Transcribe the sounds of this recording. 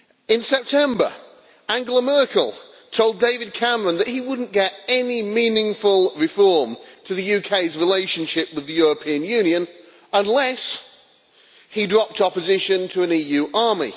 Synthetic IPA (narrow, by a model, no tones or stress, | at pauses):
ɨ̃nsɛp̚tʰɛ̃mbə̰˞ | æ̃ŋɡəlˠəmɜ˞kəl̩ˠ | tʰoʊlˠdeɪvɨd̚kʰæmə˞ə̃nðɨt̚hiwʊdⁿn̩ɡ̥ɛɾɛnimĩnɪ̃ŋfəlˠɹɨfɔɹmtʰɨðɨjʉkʰeɪzɹɪleɪʃɨ̃nʃɪpwɨðɨjʊɹəpʰĩɨ̃njʉ̃njɨ̃n | ə̃nlɛs | hidɹɑp̚tɑpəzɪʃɨ̃ntʰəə̃nijʉʔɑɹmḭ